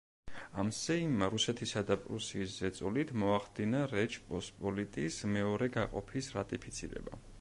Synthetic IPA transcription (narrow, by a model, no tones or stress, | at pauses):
amsɛimaɾusɛt̪ʰisad̪apʼɾusiːszɛt̪sʼulit̪ʰmɔaχd̪inaɾɛt͡ʃʰʼpʼɔspʼɔlit̪ʼismɛɔɾɛɡaqʼɔ̰pʰisɾat̪ʼipʰit̪sʰiɾɛ̰ba̰